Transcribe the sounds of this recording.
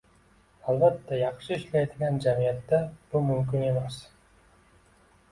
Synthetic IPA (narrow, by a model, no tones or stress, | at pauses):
ɑlˠbat̪ːɑjɑqʃɯiʃlet̪lʲɡʲand͡ʒamijɑt̪ːab̥ulˠmymk̬ynemes